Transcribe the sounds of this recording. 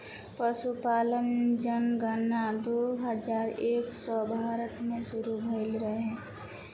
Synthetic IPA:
pəʃupaːlənd͡ʒənɡanad̪oːɦəd͡ʒaːɾeːksɔbʱaːɾət̪mẽʃʊɾubʱəɪlɾəɦeɦɛ̃ː

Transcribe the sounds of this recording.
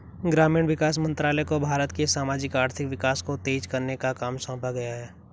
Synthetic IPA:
ɡɾaːmiɳʋɪkaːsmə̃nt̪ɾaːlɛkobʱaːɾət̪kesaːmaːd͡ʒɪkaːɾt̪ʰɪkʋɪkaːskot̪eːd͡ʒkɐɾnekakaːmsɔ̃ːpaɡɐjaɦɛː

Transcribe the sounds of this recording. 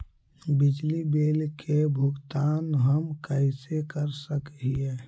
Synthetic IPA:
bɪd͡ʒlibeːlkʰebʱʊɡt̪aːnɦəmkəɪsekəɾsəkɦie

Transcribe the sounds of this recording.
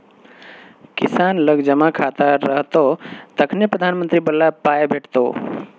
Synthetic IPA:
kɪsaːnləɡd͡ʒəmakʰat̪aɾəɦt̪ot̪əkʰnepɾəd̪ʱaːnmənt̪ɾibəlːapaːebʱeːʈʰt̪o̰

